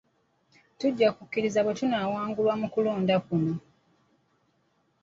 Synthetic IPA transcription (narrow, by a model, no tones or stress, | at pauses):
tuɟːakukːiɾizaβwetunaːwaːŋɡulwamukuloːndakuno